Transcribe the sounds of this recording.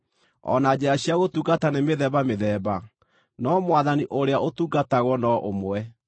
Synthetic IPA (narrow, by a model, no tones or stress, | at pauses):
ɔ̰nad͡ʑɛaɕiaɣotuːɡatanemeðɛβameðɛβa | nɔmwaðaniʔoɾeaʔotuːɡataɣwɔnɔʔomwɛ